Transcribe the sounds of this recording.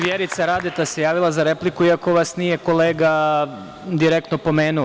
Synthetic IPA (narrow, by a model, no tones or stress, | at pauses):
ʋjeɾit̪saɾad̪et̪ase̞jaːʋilˠazaɾe̞plikuiako̞ʋasnije̞ko̞leːɡa | d̪iɾek̚t̪no̞po̞me̞ːnula